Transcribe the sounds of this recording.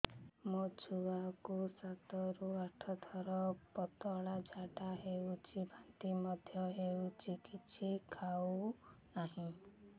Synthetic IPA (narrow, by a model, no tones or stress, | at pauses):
mod͡ʒʰuakusat̪ɔɾuaʈʰɔd̪ʰʱɔɾɔpɔt̪ɔɭad͡ʒʱaʈaɦewut͡ʃʰibʱant̪imɔd̪ʱjɔɦewt͡ʃikitːt͡ʃsʰikʰaunaɦĩ